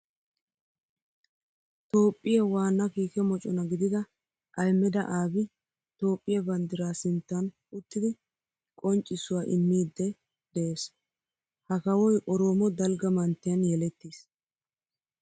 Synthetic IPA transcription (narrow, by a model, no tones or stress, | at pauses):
t̪o̞ːpʼːɪjɐwaːnːɐkiːkɛmɔt͡ʃʼɔnɐɡɪd̪ɪɡ̪ɐ | ʔɐjmːɛd̪ɐʔaːbɪ | t̪o̞ːpʼːɪjɐbɐnd̪ɪɾaːsɪnt̪ːɐn | ʊt̪ːɪd̪ɪ | kʼɔnt͡ʃʼːɪsʊwaːʔɪmːiːd̪ːɛ | d̪̥ɛeːs | hɐkɐwɔjʔɔɾo̞ːmɔd̪ɐlɡɐmɐnt̪ːɪjɐnjɛlɛt̪ːis